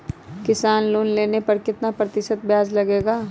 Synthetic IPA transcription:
kɪsaːnluːnleːnepɐɾkɪt̪napɾɐt̪ɪʃət̪̚bjaːzlɐɡeːɡaː

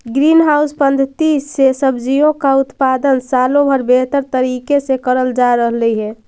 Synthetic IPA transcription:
ɡɾinɦawspənd̪ʱət̪isːesəbd͡ʒijõkaʊt̪pad̪ənsalõbʱəɾbeɦt̪əɾt̪əɾikesekəɾəld͡ʒaɾəɦləiɦɛ

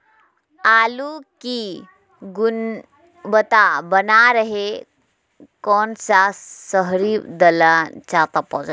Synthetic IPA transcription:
aluki | ɡun | bət̪abənaɾəɦe | kɔnsasəɦɾid̪əlat͡ɕat̪apɔ̰za

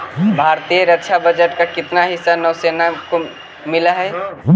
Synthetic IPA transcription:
bʱaːɾt̪ijəɾəkʃʰabɐd͡ʒəʈkakɪt̪naɦɪsːanɐʋseːnako | mɪlaɦɛ

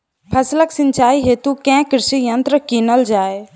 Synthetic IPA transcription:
pʰɐsləksɪ̃ɲt͡ʃaːiɦeːt̪ukɛ̃ːkɾɪʃijənt̪ɾəkiːnəld͡ʒaːe

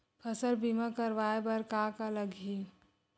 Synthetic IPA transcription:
pʰəsəlbimakəɾʋaebəɾkakaləɡɦi

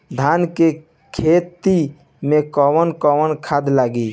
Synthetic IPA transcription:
d̪ʱanke | kʰet̪i | mekɔwənkɔwənkʰad̪laɡi

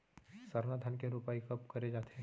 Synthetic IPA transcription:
sɐɾnad̪ʱənkeɾupaːikɐpkɐɾed͡ʒaːt̪ee

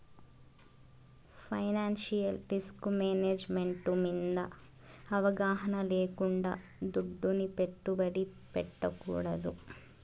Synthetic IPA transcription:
pʰɐjnaːnʃijɐlɾiskumeːneːd͡ʒme̞ɳʈumind̪ɐ | ɐʋɐɡaːɦɐnɐleːkuɳɖa̰ː | d̪uɖːunipe̞ʈːubɐɽipɛʈːɐkṵːɽɐd̪u

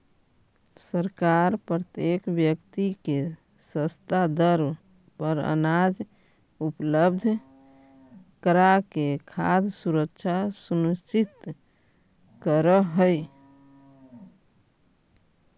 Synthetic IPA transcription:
səɾkaɾpɾət̪jekbjəkt̪ike | səst̪ad̪əɾ | pəɾə̰nad͡ʒ | upləbd̪ʱ | kəɾakekʰad̪ʱsuɾəkt͡ʃʰasunust͡ʃit̪ | kəɾəɦəj

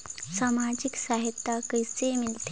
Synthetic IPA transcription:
samad͡ʑiksaɦit̪ːakəjsemilt̪e

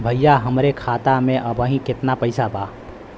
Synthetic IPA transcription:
bʱɐjjaɦɐmɾekʰaːt̪amẽʔɐbəɦĩkɪt̪napɐɪsabaː

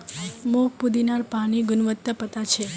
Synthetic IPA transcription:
mopud̪inaɾpaɽ̃iɡʊnʋət̪ːəpət̪at͡ʃʰe

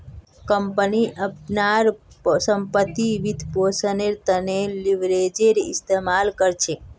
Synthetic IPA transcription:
kəmpəniʔəpnaɾsəmpət̪ːiʋid̪ʱposəneɾt̪əneliʋɾed͡ʒeɾist̪emalkəɾt͡ʃʰe

